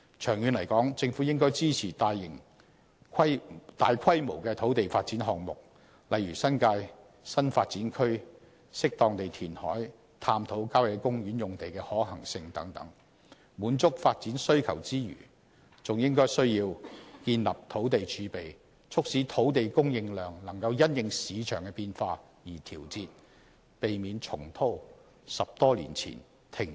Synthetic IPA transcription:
t͡ʃʰœː˨˩ŋjyː˨˧nlɐ˨˩jkɔː˨˥ŋt͡sɪ˧ŋfu˨˥jɪ˥ŋkɔː˥jt͡siː˥t͡sʰiː˨˩t̪aː˨˧jjɪ˨˩ŋ | kʰɐ˥jt̪aː˨jkʰɐ˥jmo˨˩wkɛː˧t̪ʰo˨˥wt̪e˨jfaː˧t̚t͡siː˨˥nɦɔː˨ŋ̚mʊ̰˨k̚ | lɐ˨˧jɥyː˨˩sɐ˥nkaː˧j | sɐ˥nfaː˧t̚t͡siː˨˥nkʰɵ˥ɥ | sɪ˥k̚t̪ɔː˧ŋt̪e˨jt̪ʰiː˨˩nhɔː˨˥j | t̪ʰaː˧mt̪ʰo˨˥wkaː˥wjɛ˨˧kʊ˥ŋjyː˨˥njʊ˨ŋt̪e˨jkɛː˧hɔː˨˥hɐ˨˩ŋsɪ˧ŋt̪ɐ̰˨˥ŋt̪ɐ̰˨˥ŋ | muː˨˥nt͡sʊ˥k̚faː˧t̚t͡siː˨˥nsɵ˥ɥkʰɐ̰˨˩wt͡siː˥jy̰ː˨˩ | t͡sʊ˨ŋjɪ˥ŋkɔː˥jsɵ˥ɥjiː˧wkiː˧nlɐ˨p̚t̪ʰo˨˥wt̪e˨jt͡ʃʰyː˨˥pe˨j | t͡sʰʊ˥k̚si˨˥t̪ʰo˨˥wt̪e˨jkʊ˥ŋjɪ˧ŋlœː˨ŋlɐ˨˩ŋkɐ˧wjɐ˥njɪ˨˧ŋsiː˨˧t͡ʃʰœː˨˩ŋkɛ˧piː˧nfaː˧ | jiː˨˩t̪ʰiː˨˩wt͡siː˧t̚ | pe˨jmiː˨˧nt͡ʃʰʊ˨˩ŋt̪ʰo˥w | sɐ˨p̚t̪ɔː˥lḭ˨˩nt͡sʰḭː˨˩n | t̪ʰɪ˨˩ŋ

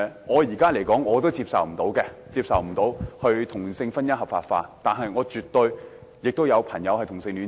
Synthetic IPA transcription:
ŋɔː˨˧jiː˨˩kaː˥le˨˩jkɔː˨˥ŋːɔː˨˧t̪o˥wt͡siː˧p̚sɐ̰˨wm̩˨˩t̪o˨˥wkɛ˧t͡siː˧p̚sɐ˨wm̩˨˩t̪o˨˥whɵ˧ɥt̪ʰʊ˨˩ŋsɪ˧ŋfɐ˥njɐ˥hɐ˨p̚fa̰ː˧t̚fa̰ː˧t̪aː˨nɦɐ˨jŋɔː˨˧t͡ʃyː˨t̪ːɵ˧ɥ | jɪ˨k̚t̪o˥wjɐ˨˧wpʰɐ˨˩njɐ˨˧whɐ˨jt̪ʰʊ˨˩ŋsɪ˧ŋlyː˨˥n

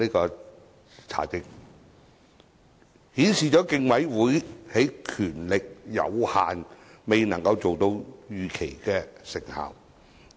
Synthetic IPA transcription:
iː˥kɔː˧ | t͡sʰa̰ː˨˩kɪ˧k̚ | hiː˨˥nsiː˨t͡ʃɔː˨˥kɪ˧ŋwɐ˨˥jwuː˨˥jhe˨˥jkʰyː˨˩nlɪ˨k̚jɐ̰˨˧wha̰ː˨nme˨jnɐ˨˩ŋkɐ˧wt͡so˨wt̪o˧wjyː˨kʰe˨˩jkɛː˧sɪ˨˩ŋha̰ː˨w

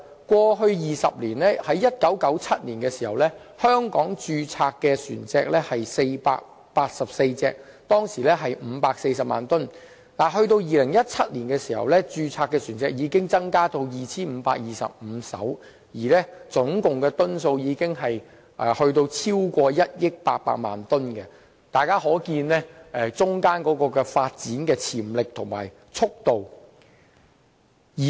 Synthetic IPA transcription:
kʷɔː˧ɦɵ˧ɥjiː˨sɐ˨p̚liː˨˩nlɛː˥hɐ˨˥jːɐ˥t̚kɐ˨˥wkɐ˨˥wt͡sʰɐ˥t̚liː˨˩nkɛː˧siː˨˩hɐ̰˨˩wlɛː˥ | hœː˥ŋkɔː˨˥ŋt͡ʃyː˧t͡sʰaː˧kːɛː˧syː˨˩nt͡sɛː˧k̚lɛː˥hɐ˨jse˧jpa̰ː˧k̚ | paː˧t̚sɐ˨p̚se˧jt͡sɛ̰ː˧k̚ | t̪ɔː˥ŋsiː˨˩lɛː˥ɦɐ˨jm̩˨˧paː˧k̚se˧jsɐ˨p̚ma̰ː˨nt̪ɵ˥n | nlaː˨˩ɦɵ˧ɥt̪o˧wjiː˨lɪ˨˩ŋjɐ˥t̚t͡sʰɐ˥t̚liː˨˩nkɛː˧siː˨˩hɐ̰˨˩wlɛː˥t͡ʃyː˧t͡sʰaː˧kːɛ˧syː˨˩nt͡sɛː˧k̚jiː˨˧kɪ˥ŋt͡sɐ˥ŋkaː˥t̪o˧wjiː˨t͡sʰiː˥nm̩ː˨˧pa̰ː˧k̚jiː˨˩sɐ̰˨p̚m̩˨˧˥sɐ̰˨˥w | jiː˨˩lɛː˥t͡sʊ˨˥ŋkʊ˨ŋkɛː˧t̪ʊ˥nso˧wjiː˨˧kɪ˥ŋɦɐ˨j | ʔɛ˨˧hɵ˧ɥt̪̬o˧wt͡sʰiː˥wkʷɔː˧jɐ˥t̚jɪ˥k̚pa̰ː˧k̚pa̰ː˧k̚ma̰ː˨nt̪ʊ˥nkɛ˧ | t̪aː˨˩jkaː˥ɦɔː˨˥kiː˧nlɛː˥ɛː˧t͡sʊ˥ŋkaː˥nkɔː˨˥kɔː˧kɛː˧faː˧t̚t͡siː˨˥nkɛː˧t͡sʰi˨˩mlɪ˨k̚t̪ʰʊ˨˩ŋma̰ː˨˩j | t͡sʰʊ˥k̚t̪o˨w | jiː˨

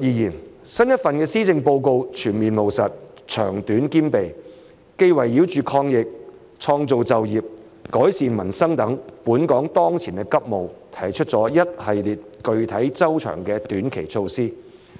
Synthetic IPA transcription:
jiː˨˧jiː˨˩n | sɐ˥njɐ˥t̚fɐ˨nkɛː˧siː˥t͡sɪ˧ŋpo˧wko˧wt͡ʃʰyː˨˩nmiː˨nmo˨˩wsɐ˨t̚ | t͡ʃʰœ̰ː˨˩ŋt̪yː˨˥nkiː˥npe˨j | ke˧jwɐ˨˩jːi˨˧˥wt͡ʃyː˨kʰɔː˧ŋjɪ˨k̚ | t͡ʃʰɔː˧ŋt͡so˨wt͡sɐ˨wjiː˨p̚ | kɔː˨˥jsiː˨nmɐ˨˩nsɐ˥ŋt̪ɐ˨˥ŋpuː˨˥nkɔː˨˥ŋt̪ɔː˥ŋt͡sʰiː˨˩nkɛ˧˥kɐ˥p̚mo˨wt̪ʰɐ˨˩jt͡ʃʰɵ˥t̚t͡sɔː˨˥jɐ˥t̚hɐ˨jliː˨t̚kɵ˨ɥt̪ʰɐ˨˥jt͡sɐ˥wt͡ʃʰœ̰ː˨˩ŋkɛː˧t̪yː˨˥nkʰe˨˩jt͡ʃʰo˧wsiː˥

